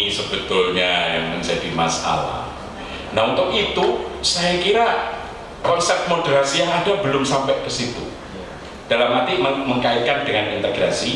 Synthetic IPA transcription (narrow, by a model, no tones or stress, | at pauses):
səbət̪ʊlɲaja̰ŋmənsadima̰sa̰la̰h | naunt̪ʊkit̪usajakiɾa | kɔnsɛp̚t̪̚modəɾasijaŋadabəlʊmsampɛʔkəsit̪ṵ | d̥alamːat̪iməməŋkaɪt̪̚kandəŋanint̪əɡɾasi